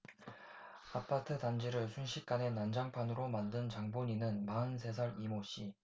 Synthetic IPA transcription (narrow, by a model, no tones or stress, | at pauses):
apʰatʰɯdand͡ʑiɾɯɭsʰunɕʰik̚k͈ane̞nand͡ʑaŋpʰanɯɾomandɯnt͡ɕaŋboɲinɯnmaɯnsʰe̞sʰaɾimoɕ͈i